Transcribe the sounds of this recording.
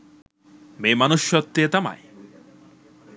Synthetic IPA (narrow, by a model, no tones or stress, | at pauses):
memanuʃjɔt̪ːeet̪ama̰j